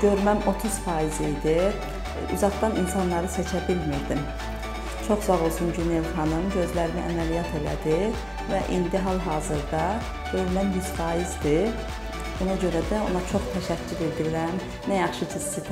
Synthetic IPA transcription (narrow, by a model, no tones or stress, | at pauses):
ɟ̥ø̞ɾmæmo̞t̪ʰuz̥fɑːjizijd̪i | y̰zɑʁd̪ɑninsɑnlˠɑɾɯse̞t͡ʃʰæbilmiɾd̪im | t͡ʃʰo̞χzɑʁo̞lˠsuncʰynelχɑnɯmɟø̞zlæɾiniʔæ̰mælijɑt̪ʰe̞læ̰d̪i | væʔḭnd̪iɦɑlˠɦɑːzɯɾd̪ɑ | ɟ̥ø̞ɾmæmjyz̥fɑːjizd̪i | bonɑɟø̞ɾæd̪æo̞̰nɑt͡ʃʰo̞χt̪ʰæʃæcʰːyɾed̪iɾiɾæm | næjɑχʃɯd̪ist̪ipʰ